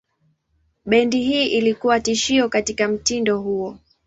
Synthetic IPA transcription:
ɓɛndiɦiːʔilikuwatiʃiɔkatikam̩tindɔhuɔ

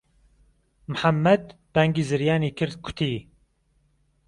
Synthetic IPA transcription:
mħamːɛd̪b̥ɛŋɡiːzɨɾjaːniːkʰɨɾd̪kʰʊ̥t̪ʰiː

